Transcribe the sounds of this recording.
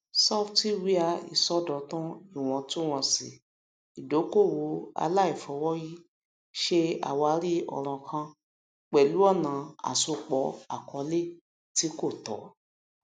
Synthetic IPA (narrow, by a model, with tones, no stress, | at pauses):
sɔ˦fti˦wi˦a˧ḭ˨sɔ˦dɔ˨tũ˦i˦˨w̃ɔ̃˨˧tũ˦w̃ɔ̃˧si˨ | i˨do˨˦ko˦˨wo˨˦a̰˧la˦i˦˨fɔ˨˦wɔ˦ji˦ | ʃe˧a̰˨wa˨˧˦ɾi˦ɔ̰˨ɾ̃ɔ̃˧kʰã˧ | k͡pɛ˨lu˨˦ɔ˦˨nã˨a̰˨so˧k͡pɔ˨˦a̰˨kɔ˨˧˦le˦˨ | ti˨˦ko˦˨tɔ̰˨˦